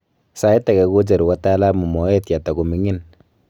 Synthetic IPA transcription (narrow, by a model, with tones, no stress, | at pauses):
sa˦i˦ta˨kɛ˨ko˦t͡ʃe˨ɾwa˦ta˦la˦mu˨mɔ˨˦ɛ˦tja˨ta˨ku˨mi˨˦ŋɪ˦n